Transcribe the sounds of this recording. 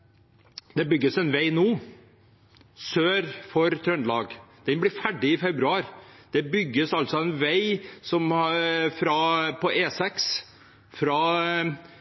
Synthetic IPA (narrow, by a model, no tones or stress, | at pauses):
d̪ɛbʏɡːəsɛnʋæɪnoː | søːɾfɔɾt̪ʰɾœnlɑːɡd̪̥ɛnblɪɾfæɖɪɪfɛbɾʉɑːɾd̪̥ɛbʏɡːəsɑlt̪sɔɛnʋæɪsɔmfɾɑpʰɔʔeːsɛks | fɾɑː